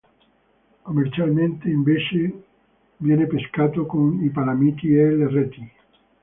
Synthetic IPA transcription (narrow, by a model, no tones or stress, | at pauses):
komeɾt͡ʃalment̪eiɱbet͡ʃe | vjɛnepeskat̪okonipaɾamit̪ieleret̪i